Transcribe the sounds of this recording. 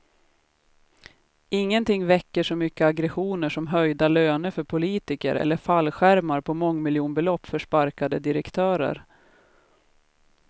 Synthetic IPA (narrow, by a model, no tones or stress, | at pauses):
ɪŋːənt̪ʰɪŋːvɛkːəʂɔmʏkːəaɡɾɛɧuːnəʂɔmɦœjd̪aløːnəɾfœɾpʰʊliːt̪ɪkə̰ɾɛ̰lːəfalːɧæɾmaɾpʰɔmɔŋːmɪljuːnbɛlɔpːfœʂpaɾkad̪əd̪ɪɾɛkt̪ʰœːɾə̰ɾ